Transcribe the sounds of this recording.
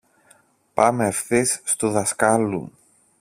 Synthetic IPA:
pɐmefθisːt̪uðɐskɐlṵ

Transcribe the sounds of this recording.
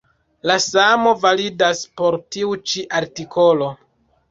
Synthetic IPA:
lasamo̞validaspo̞ɾtiut͡ʃiʔaɾtikʰo̞lo̞

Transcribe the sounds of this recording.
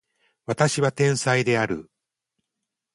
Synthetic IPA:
βat̪aɕiβat̪ẽ̞ɰ̃said̪e̞aɾɯ̟̰

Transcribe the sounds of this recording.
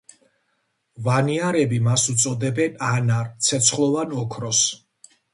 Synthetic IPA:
vaniaɾɛbimasut̪sʼɔd̪ɛbɛnanaɾt̪sʰɛt̪sʰχlˠɔvanɔkʰɾɔs

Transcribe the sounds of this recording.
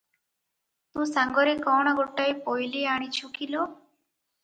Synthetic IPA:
t̪ũːsãŋɡɔɾekɔɽ̃ɔɡʱoʈːajpojliaɽ̃ĩt͡ʃʰukilo

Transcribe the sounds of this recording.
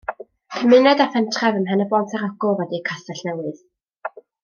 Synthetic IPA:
kʰəmɪnɛdafɛntʰrɛvəmɦɛnəbɔntʰaɾɔɡɔlˠvɛdikʰasaɬnɛwɨð

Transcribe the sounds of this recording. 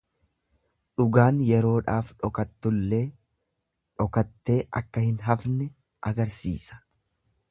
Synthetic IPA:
ᶑʊɡaːnjɛɾo̞ːᶑaːfᶑɔkɐt̪ːʊlːe̞ː | ᶑɔkɐt̪ːe̞ːʔɐ̰kːɐhɪnɦɐfnɛ | ʔɐɡɐɾsḭːsɐ̥

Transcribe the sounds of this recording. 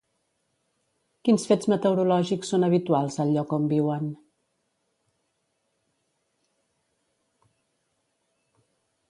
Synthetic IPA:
kinsfed͡zmət̪əwɾulɔʒiksːonəβ̞it̪ualˠzəlʎːɔkombiwən

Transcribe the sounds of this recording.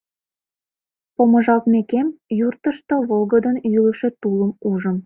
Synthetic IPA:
poməʒɑlt̪mekemjurt̪əʃt̪ŏβolɣəd̪ənjylə̆ʃet̪uləmuʒə̆m

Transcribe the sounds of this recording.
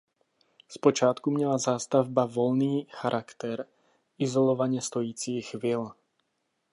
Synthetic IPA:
spɔt͡ʃɪat̪kumɲɛlazaːst̪avbaʋɔlniːxaɾʔakt̪ɛɾ | izɔlɔʋaɲɪɛst̪ɔjiːt͡siːxʋiːl

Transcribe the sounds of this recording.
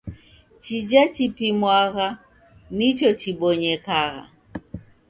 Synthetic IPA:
t͡ʃid͡ʒat͡ʃipimwaɣa | nit͡ʃɔt͡ʃiɓɔɲɛkaɣa̰

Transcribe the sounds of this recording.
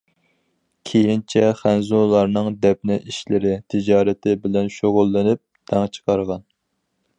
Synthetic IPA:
kʲʰejint͡ʃʰɛχænzulˠɑɾnɨŋd̪ɛp̚nɪʔiʃlɪɾɪt̪ʰɪd͡ʒɑːɾɪt̪ʰɪbɪlɛnʃoʁʊlˠːɨnɪp̚d̪̥ɛŋt͡ʃʰə̥qʰɑɾʁɑn

